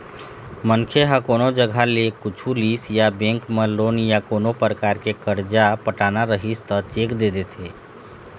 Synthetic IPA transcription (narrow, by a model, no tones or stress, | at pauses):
mənkʰeɦəkoːnod͡ʒəɡʱalekʊt͡ʃʰulisjabẽŋkməloːnjakoːnopɾəkaːɾkekəɾd͡ʒapəʈanaɾəɦist̪ət͡ʃekd̪ed̪et̪ʰe